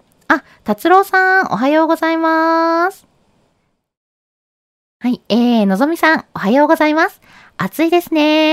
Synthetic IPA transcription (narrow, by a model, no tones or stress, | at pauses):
a | t̪at͡sɨɾo̞ːsão̞̰ɦajo̞ːɡo̞zaimasɨ̥ | haieːno̞zo̞mʲisãŋ̃o̞ɦajo̞ːɡo̞zaimasɨ̥ | at͡sɨid̪e̞sɨne̞